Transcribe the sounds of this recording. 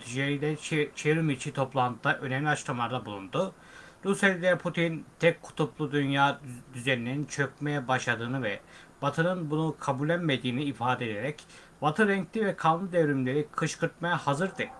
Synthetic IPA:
t̪ʰid͡ʒeɾilʲɛt͡ʃʰeɾymit͡ʃʰit̪ʰo̞plˠant̪ʰɯd̪aʔø̞nɛmlʲiat͡ʃlamlˠaɾd̪ˠabulˠund̪ʊ | ɾuselʲd̪ɛpʰut̪ʰint̪ʰɛkʰːu̥t̪ʰuplˠud̪ynjaːd̪yzeɾinʲeɾint͡ʃʰø̞k̚mejɛbaʃlˠad̪ɯːnɯvɛbat̪ʰɯnɯnbunukʰabulʲænmed̪iːniːfaːd̪ed̪eɾɛc | vat̪ʰɯɾɛɲc̚t̪ivɛkʰalˠmlˠɯd̪evɾymlʲe̞ɾikʰɯʃkʰɯɾt̪majahazɯɾd̪ɯ

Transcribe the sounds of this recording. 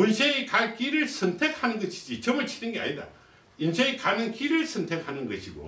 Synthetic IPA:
unsʰeikak͈iɾɯɭsʰʌntʰek̚hanɯnɡʌɕʰi̥d͡ʑit͡ɕʌmɯɭt͡ɕʰinɯnɡea̰ɲida̰ | insʰeikanɯnkiɾɯɭsʰʌntʰek̚hanɯnɡʌɕʰiɡo̰

